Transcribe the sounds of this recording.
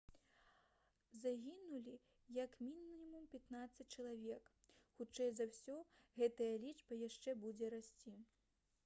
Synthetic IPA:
zaɣʲinulʲi | jɐkmʲinʲimumpʲat̪nat̪sɐt͡sʲt͡ʂɐlˠavʲɛkxut͡ʂɛjzawsʲɔɣɛt̪ɐjɐlʲiʐbɐjaʂt͡ʂɛbud͡zʲɛɾasʲt͡sʲi

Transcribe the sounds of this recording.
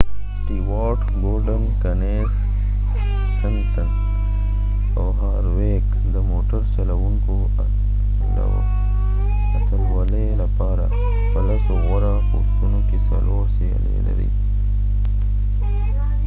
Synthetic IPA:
sʈiwaːʈ | ɡolɖənkane | s | sənt̪ə | a̰wɦaːɾwek | d̪əmoːʈaɾt͡ʃalawuŋko | la̰wo̰ | ɐt̪əɾwalelapɑɾa̰ | pəlasowaɾa | o̰st̪unokesa̰loːɾsea̰lḛla̰ɾḭ

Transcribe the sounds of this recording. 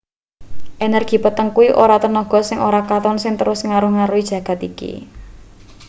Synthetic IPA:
ʔenɛrɡ̥i̤pət̪əŋkuwiʔoɾat̪ənɔɡ̥ɔ̤sɪŋʔoɾakat̪ɔnsɪŋt̪əɾʊsŋaɾʊhŋaɾuid̥ʒ̥ä̤ɡ̥ä̤t̪ikḭ

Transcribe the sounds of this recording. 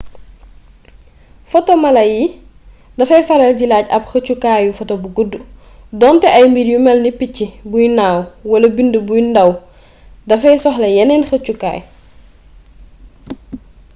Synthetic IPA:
fɔtɔmɐlɐji | dɐfɐjfɐɾɛlɟilaːcɐpxəcukaːjufɔtobuɡudːu | dɔntɛʔɐjmbidjumɛlnipicːibujnaːwwɐlɐbindəbujndɐw | dɐfɐjsɔxlɐjɛnɛnxɐt͡ʃuka̰ːj

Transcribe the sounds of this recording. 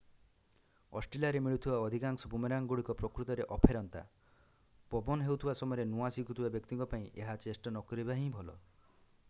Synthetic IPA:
ɔsʈɾelaɾemiɭut̪ʰibaɔd̪ʱikaŋsɔbumeɾaŋɡuɽikɔpɾɔkɾut̪ɔɾeʔɔpʰeɾɔnt̪a̰ | pɔbɔnɦewt̪ʰibasɔmɔjɔɾenuasikut̪ʰibabjɔkt̪iŋkɔpaĩʔeɦat͡ʃesʈɔnɔkɔɾibaɦĩbʱɔlɔ̰

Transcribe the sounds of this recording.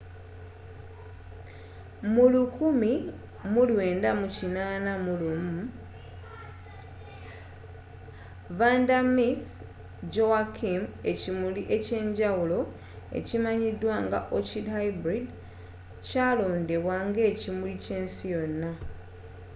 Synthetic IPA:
mulukumi | mulwe̞ːndamucinaːnamulumu | vandamis | d͡ʒoakʰime̞cimuliʔe̞ce̞ːɲɟawulo̞ | e̞̰cimaɲidwaːŋɡa̰ʔocidhajbɾid | caːlo̞ːnde̞βwaːŋɡe̞ːcimulice̞ːnsijo̞nːa

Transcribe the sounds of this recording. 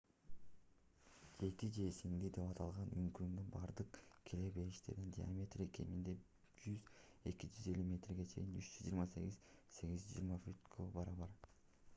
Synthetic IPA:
d͡ʒe̞kid͡ʒe̞siŋlid̪e̞pɑt̪ʰɑlˠʁɑnyŋkymd̪ynbɑɾd̪ɯqkʲʰilebe̞iʃt̪e̞ɾd̪ind̪ʲia̰mʲe̞t̪reke̞̰mind̪e̞ | d͡ʒyze̞kid͡ʒyze̞lʲymʲe̞t̪rɡe̞t͡ʃʰe̞jinyt͡ʃd͡ʒyzːd͡ʒiːɾmɑse̞ɡizse̞ɡizd͡ʒḭjːɾmɑfut̪kʰobɑɾɑβɑɾ

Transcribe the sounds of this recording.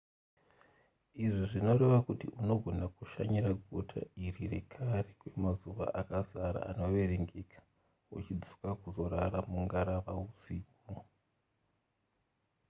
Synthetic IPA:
iʐiʐino̞ɾe̞ʋakutiʔuno̞ɡʱo̞nakuʃa̰ɲiɾaɡʱotʰa̰irire̞kʰaɾekwe̞mazuʋa̰ʔakazaɾa̰ano̞ʋe̞ɾeŋɡekʰḁ | ṵt͡ʃid͡zu̥kakuzo̞ɾa̰ɾamuŋɡaɾaʋausiːk | o

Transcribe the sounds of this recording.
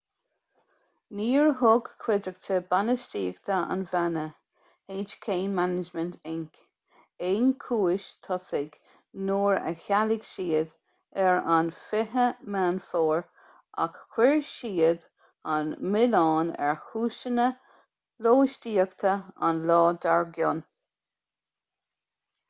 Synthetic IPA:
niːɹɦʊɡkʰwɪd͡ʒəɡ̚tʰəbanəʃtiːəɡt̪ʰəa̰nvanə | heːnt͡ʃkʰeːnmanɪd͡ʒmənt̪ʰɪŋk | eːnkʰuːɪʃt̪ʰɔsɪɡ | noːɹə̰çalɪɡ̥ʃiːəd̪ | ɛɹanfɪɦəmanfɔːɹ | a̰kːwɪɹʃiːəd̪ | anmɪlɑːnɛ̰ɹhuːʃənə | loːʃtiːəɡt̪ʰəa̰nlɔːd̪aɹɡjʊn

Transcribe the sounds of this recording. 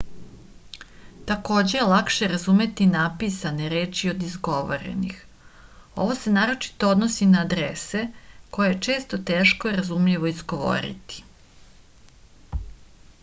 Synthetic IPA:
t̪ako̞ːd͡ʑe̞jelˠakʃe̞ɾazume̞t̪inaːpisaneɾe̞ːt͡ʃio̞d̪izɡo̞ʋo̰ɾḛnḭx | o̞̰ʋo̞se̞naːɾo̞t͡ʃi̥t̪ood̪nosinaːd̪ɾese̞ko̞jejet͡ʃe̞ːst̪o̞t̪e̞ːʃkoiɾazumʎiʋo̞izɡo̞ʋo̞̰ɾḭt̪i̥

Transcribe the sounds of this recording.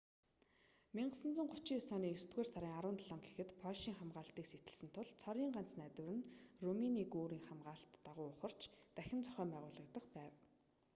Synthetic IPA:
miɴɢə̆sə̆nt͡sʊ̆ŋɢʊt͡ɕiːsɔniːɵst̪ɡeːrsaɾʲiːŋaɾwʊ̆ːnt̪ʰaɮɔːŋɡexɘ̆t̪pʰɔʃiːŋχamɢaːɬt̪iːkset̪ɘ̆ɮsɘ̆nt̪ʰʊɮt͡sʰɔɾiːŋɢan̥t͡snæt̪wɘ̆ɾɘ̆nruminiːkoːɾiːŋχamɢaːɬt̪ːaʁʊːʊχə̆r̥t͡ɕt̪æxʲɪ̆nt͡sʰɔχʲœːmpæːʁʊːɮə̆kt̪ə̆qpæːw

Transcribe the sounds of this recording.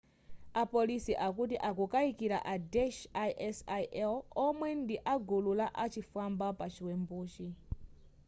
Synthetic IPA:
apolisiʔakutiʔakukaikiɾa̰ʔadɛʃaʔɛsaʔɛlɔmwɛndiʔaɡululaʔat͡ʃifambapat͡ʃʰiwɛmbuːt͡ʃi

